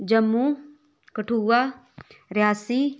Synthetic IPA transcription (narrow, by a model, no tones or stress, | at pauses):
d͡ʒɐmːu | kəʈʰuːwaː | ɾjaːsi